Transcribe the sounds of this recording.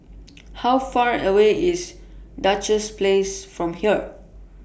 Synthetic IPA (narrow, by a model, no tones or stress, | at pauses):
hawfaɹəweis | dat͡ʃəsplesfɹɔ̃mhiə